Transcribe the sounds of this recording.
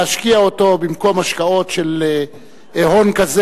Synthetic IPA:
aʃkiaoto̞bimko̞mhaʃkao̞tʃele | ʔeɦo̞nkaz

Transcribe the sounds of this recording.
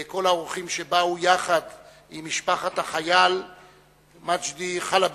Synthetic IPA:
ko̞laoʁuχimʃebaujaχad̪ | imːiʃpaχat̪haχajal | mat͡ʃd̪iχalab

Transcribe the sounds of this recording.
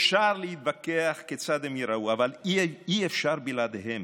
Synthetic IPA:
fʃaʁlehit̪̚bakeaχket͡sad̪emiɾauavaliiefʃaʁbilad̪ehem

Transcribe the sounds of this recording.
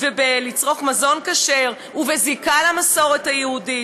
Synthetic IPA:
vebelit͡sʁo̞χmazo̞nkaʃe̞ʁ | uvezikalamaso̞ʁe̞thajehudi

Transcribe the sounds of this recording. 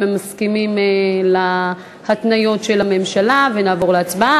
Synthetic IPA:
emaskimimela | hatnajo̞tʃe̞lame̞mʃalavenaːvo̞ʁleat͡sbaa

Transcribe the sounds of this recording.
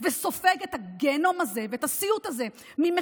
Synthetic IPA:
veso̞feɡet̪aɡeno̞maze̞veetasiut̪aze̞ | mime

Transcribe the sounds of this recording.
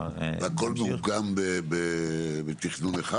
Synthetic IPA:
ako̞lmeuɡambebebet̪iχnuneχa

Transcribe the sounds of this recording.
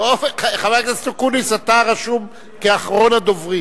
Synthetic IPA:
oχavaktast̪okunisat̪aʁaʃum | keaχʁo̞nad̪ovʁi

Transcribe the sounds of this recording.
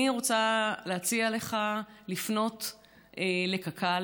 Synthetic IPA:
iʁot͡saleat͡siale̞χalifno̞t | ele̞kakʰa

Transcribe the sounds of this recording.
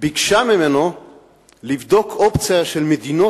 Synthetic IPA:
biɡʃamimeno | livd̪o̞kʰopt͡sjaʃelmed̪ino

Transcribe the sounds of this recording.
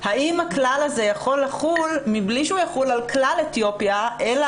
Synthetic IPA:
haimhaklalaze̞jaχo̞lːaχulmibliʃujaχulalklalet̪jo̞pjaʔela

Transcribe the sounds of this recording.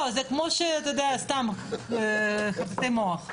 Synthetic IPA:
ozekmoʃeat̪d̪east̪am | χavatemoaχ

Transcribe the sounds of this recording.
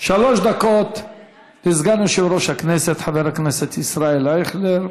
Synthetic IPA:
ʃaloʃd̪akot̪ | nizɡanuʃivɾoʃhakneset̪ħaveɾhakneset̪isɾaelaiχleɾ

